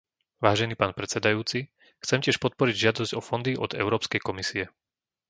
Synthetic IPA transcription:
ʋaːʒɛniːpaːnpɾɛt͡sɛd̪ajuːt͡si | xt͡sɛmcɪɛʃpɔt̪̚pɔɾiɟʒɪad̪ɔzɟ̥ɔfɔnd̪iʔɔ̰d̪ɛ̰ʊɾɔːpskɛjkɔmisiɛ

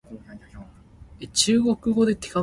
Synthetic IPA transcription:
et͡ɕɨːɡo̞kɯ̟ɡo̞d̪e̞t̪eka

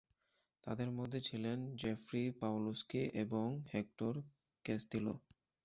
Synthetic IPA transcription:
t̪a̰d̪eɾmod̪ʱːet͡ɕʰilend͡ʑefɾipawloskiʔeboŋhek̚ʈoɾ | kesd̪ilo̰

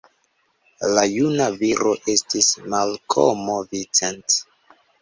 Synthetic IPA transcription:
lajunaviɾoʔe̞stismalkʰo̰movit͡sent

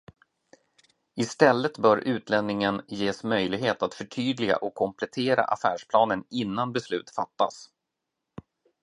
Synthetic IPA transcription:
ɪst̪ɛlːət̪bœːɾʔʉ̟ːt̪ʰlɛnːɪŋənjeːsmœjlɪɡɦeːt̪at̪fœʈʰyːd̪lɪɡa̰ʔɔkʰːɔmpʰlɛt̪ʰeːɾa̰ʔa̰fæːʂpʰlɑːnənɪnːanbɛslʉ̟ːt̪fat̪ːa̰s

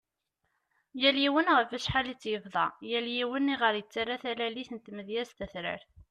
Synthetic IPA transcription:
jæljiwənʁəfæʃħalit͡sːjəvðˤɑ̰jæljiwənːiʁəɾjət͡sːaɾaθælæliθənt̪məðjæst̪æθɾə̰ɾθ

